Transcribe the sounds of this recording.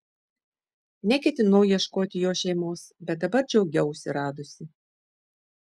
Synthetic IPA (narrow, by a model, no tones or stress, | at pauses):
nʲɛkʲɛt̪ʲɪnɐʊjiɛʃkoːt̪ʲɪjoːʃʲɛɪmoːsbʲɛt̪̚d̪ɐbɐɾd͡ʒʲɛʊɡʲɛʊsʲɛɾɑːd̪ʊsʲɪ